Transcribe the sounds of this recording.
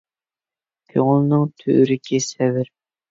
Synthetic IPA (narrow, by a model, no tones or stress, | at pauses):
kʲʰøŋʊlˠnɨŋt̪ʰøʔɾɪkʲʰisɛvɪɾ